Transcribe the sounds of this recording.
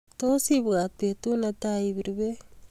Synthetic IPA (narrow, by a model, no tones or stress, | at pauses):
tosibɡat̚petunataibiɾibe